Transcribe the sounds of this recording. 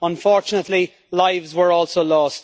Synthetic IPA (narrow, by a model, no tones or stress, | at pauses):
ə̃ɱfɔːɹt͡ʃʊnətˡli | laɪvzwə˞ɔːlˠsoʊlɔːst